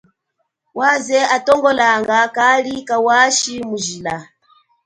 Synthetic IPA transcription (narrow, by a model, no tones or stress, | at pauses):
wazɛatɔŋɡɔlaŋɡakalikawaʃimuʒila